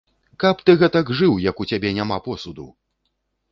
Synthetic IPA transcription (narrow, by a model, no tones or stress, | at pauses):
kɐpt̪ɨɣɛt̪ɐɡʐɨwjɐkut͡sʲabʲɛnʲamapɔsud̪ṵw